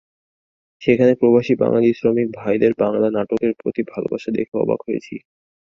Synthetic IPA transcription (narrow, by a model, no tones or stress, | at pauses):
ʃekʰanepɾobaʃiba̰ŋlaliʃɾomik̚bʱajd̪eɾbaŋlanaʈokeɾpɾo̰t̪ibʱalo̰baʃad̪ḛkʰaɔ̰ba̰ɡɦojḛt͡ɕʰi